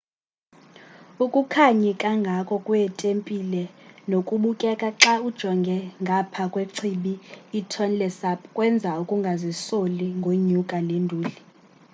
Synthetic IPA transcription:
ukʼukʰaɲɛkʼaŋɡʱakʼɔkʼujɛtʼempʼilɛnokʼuɓukʼɛkʼaǁaud̥ʒ̥ʱɔŋɡʱɛŋɡʱapʰakʼweǀʰiɓiːtʰɔnlɛsapʰkʼwɛnd͡zʱaukʼuŋɡʱazisoliŋɡʱoɲukʼalendʱuːli

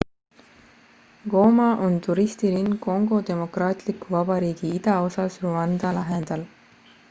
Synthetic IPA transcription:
ɡ̥o̞ːmɑʔo̞nt̪uɾist̪iɾinɡo̞ŋɡo̞t̪e̞mo̞krɑːt̪ˑlikːˑuvɑbɑɾiːɡ̥iid̪̥ɑo̞sɑsruɑnd̪̥ɑlɑɦend̪̥ɑl

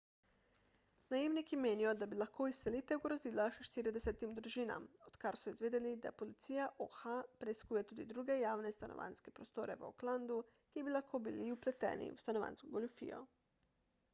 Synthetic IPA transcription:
najiʋnikimeːnijod̪abilaxko̞iselit̪euɡɾozilaʃeʃt̪iɾed̪eset̪imd̪ɾuʒina̰mot̪kaɾsuizʋeːd̪elid̪a̰polit̪sijaʔoxapɾeiskuːjet̪uːd̪id̪ɾuɡejaːʋnest̪anoʋʔa̰nskepɾost̪oːɾḛʋo̰kland̪u | kibilˠaxkobiliuplet̪ḛːnḭṵst̪anoʋa̰nskoɡolufḭjo̰

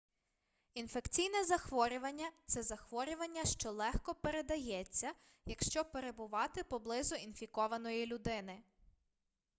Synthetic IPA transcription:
infe̞kt͡sʲijnɛzɐxʋɔɾʲʊʋɐnʲːɐt̪sɛzɐxʋɔɾʲʊʋɐnʲːɐʃt͡ʃɔlˠɛxkɔpe̞ɾe̞d̪ɐjɛt͡sʲːɐ | jɐkʃt͡ʃɔpe̞ɾe̞bʊʋɑt̪ɪpɔblˠɪzʊinfʲikɔʋɐnɔjilʲʊd̪ɪnɪ

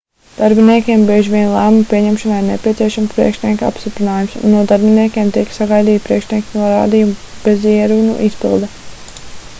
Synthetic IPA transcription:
d̪̥aɾbiniɛkʲeɛmbiɛʒiʋʲiɛnlˠæːmumpiɛɲɛmʃɔnaiɾnɛpʲiɛt̪siɛʃamspɾḭɛkʃnʲiɛkʲa̰pst̪ipɾinaːjumsṵnːuɔd̪aɾbiniɛkʲeɛmt̪iɛksaɡajd̪iːt̪̚pɾiɛkʃnʲiɛkʲnuɔɾa̰ːd̪ijumb̥eziɛɾunṵʔispḭlˠd̪ɛ

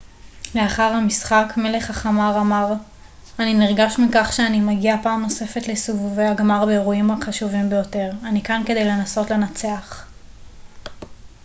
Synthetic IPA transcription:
le̞aχaʁhamisχakme̞le̞χhaχamaʁamaʁ | aniniʁɡaʃmikaχʃeanimaɡiapaːmno̞se̞fe̞tlesuvuveaɡmaʁbeːʁuimaχaʃuvimbejo̞te̞ʁanikankede̞jle̞naso̞tle̞nat͡se̞aχ

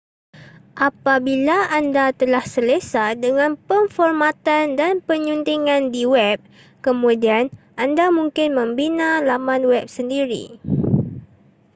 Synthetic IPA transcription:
ʔapabilaːndat̪əlahsəlesadəŋãnpənfɔrmat̪andanpəɲunt̪iŋãndiwɛp̚ | kəmũdian | ʔandamũŋkɪnmə̃mbinãlamanwɛp̚səndiɾḭ

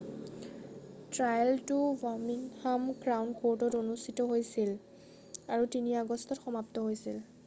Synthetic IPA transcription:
tɹajltʊvɔminhamɡɹawnkotɔtonustʰitɔɦojsil | aɹutiniaɡɔstʰɔtxɔmaptɔɦojsil

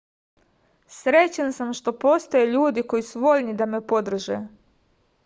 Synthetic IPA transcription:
sɾe̞t͡ɕansamʃt̪o̞po̞st̪o̞jeʎuːd̪iko̞jisuʋo̞ʎnid̪ame̞po̞d̪r̩ʒḛː

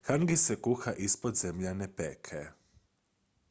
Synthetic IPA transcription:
xaŋɡisɛkuxaʔispɔd̪zɛmʎanɛpɛːkʰɛ

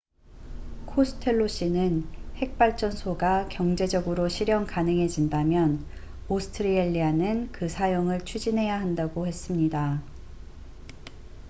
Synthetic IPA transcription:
kʰosʰɯ̥tʰe̞ɭːoɕ͈inɯnhe̞k̚p͈aɭt͡ɕ͈ʌnsʰoɡakjʌŋd͡ʑe̞d͡ʑʌɡɯɾoɕʰiɾjʌŋkanɯŋɦe̞d͡ʑindamjʌn | osʰɯ̥tʰɯɾieʎːianɯnkɯsʰajoŋɯɭt͡ɕʰud͡ʑinɦe̞jaɦandaɡohe̞s͈ɯmɲida

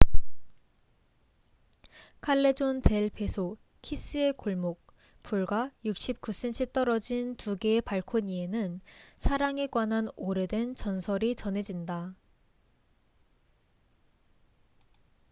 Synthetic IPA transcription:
kʰaɭːe̞d͡ʑonte̞ɭpe̞sʰo | kʰis͈ɯe̞koɭmok̚ | puɭɡwajuk̚ɕ͈ip̚k͈us͈e̞nt͡ɕʰit͈ʌɾʌd͡ʑintuɡeːpaɭkʰoɲie̞nɯnsʰaɾaŋe̞ɡwananoɾe̞dwent͡ɕʌnsʰʌɾit͡ɕʌne̞d͡ʑinda

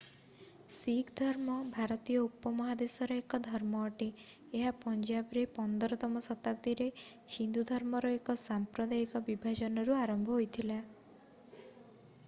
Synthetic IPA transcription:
siɡd̪ʱɔɾmɔbʱaɾɔt̪ijɔupɔmɔɦad̪esɔɾɔekɔd̪ʱɔɾmɔːʈiː | ɦapɔɲd͡ʒabɾepɔnd̪ɔɾɔt̪ɔmɔsɔt̪ab̚d̪iɾe | hind̪ud̪ʱɔɾmɔɾɔekɔsampɾɔd̪aikɔbibʱad͡ʒɔnɔɾuaɾɔmbʱɔɦojt̪ʰila

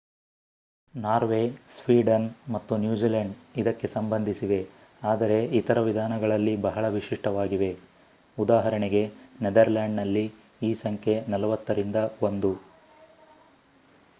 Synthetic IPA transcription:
naːɾʋeːsʋiːɖɐnmɐt̪ːunjuːd͡ʒiːlɐɳɖid̪ɐkːe̞sɐmbɐnd̪ʱisiʋe̞ | aːd̪ɐɾe̞it̪ɐɾɐʋid̪ʱaːnɐɡɐɭɐlːibɐɦɐɭɐʋiʂiʂʈɐʋaːɡiʋe̞ | ud̪aːɦɐɾɐɳeɡe̞ned̪ɐɾlaːɳɖnɐlːi | iːsɐŋkʰe̞nɐlɐʋɐt̪ːɐɾind̪ɐo̞nd̪u

